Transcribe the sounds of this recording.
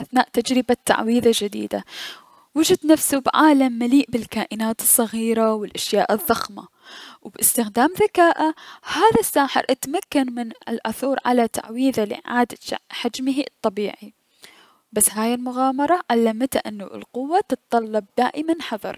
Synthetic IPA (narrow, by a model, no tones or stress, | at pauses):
ʔaθnaːʔt̪ad͡ʒɾɪbat̪ːa̰ʕwiːðad͡ʒɪd̪ḭːd̪a̰ | wɪd͡ʒɪd̪nafsubʕaːlamːaliːʔbɪlkaːʔɪnaːt̪ɨ̥sˤːɑɣiːɾawɪlʔaʃjaːʔɪðːɑxma̰ | wbʔɪst̪ɪxd̪aːmðakaːʔahaːðasːaːħɪ̰ɾʔat̪makːanmɪnɪ̰lʔaθuːɾˤʕa̰lat̪a̰ʕwiːðalɪ̰ʕaːd̪aħad͡ʒmɪɦit̪ˤːɑbiːʕi | basːɦaːjɪlmʊɣaːmɑɾˤɑʕalːamt̪aʔɪnːʊ̰lqʊwːat̪ɨt̪t̪ˤɑlːɑb̚d̪aːʔɪmanħɑðˤɑ̰ɾˤ